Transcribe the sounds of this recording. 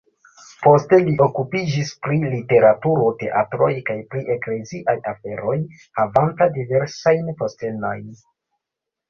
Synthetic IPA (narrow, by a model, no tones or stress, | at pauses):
po̞ste̞liʔo̞kupid͡ʒispɾilite̞ɾatuɾo̞te̞ʔatɾo̞jkajpɾiʔe̞kle̞ziʔajafe̞ɾo̞j | havantadive̞ɾsajnpo̞ste̞no̞jn